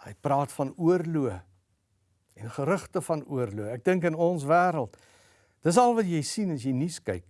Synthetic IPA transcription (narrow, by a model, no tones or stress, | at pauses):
ə̰jprɑːtfɐnuərluə | ɛnχəɾəχtəfɐnuərluəæk̚dəŋkənɔnsvæːɾəlˠt | d̥əs̬ɐlˠvɐtjɛjsinɐsjɛjniskɛ̰jk̚